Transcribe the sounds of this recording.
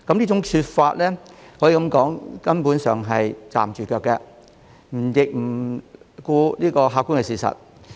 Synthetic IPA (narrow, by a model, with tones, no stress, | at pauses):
kɐ˨˦mnliː˥t͡sʊ˨˥ŋt͡ʃʰyː˧t̚faː˧t̚lɛː˥hɔ˨˥ji˨˧kɐ˧˥mkɔː˨˥ŋkɐ˥npuː˨˥nsœː˨ŋɦɐ˨jt͡sa̰ː˨mt͡ʃyː˨kœː˧kːɛ˧ | m̩˨˩jɪ˨k̚m̩˨˩kuː˧liː˥kɔː˧ɦaː˧kːuː˥nŋkɛ˧siː˨˧˩sɐ̰˨t̚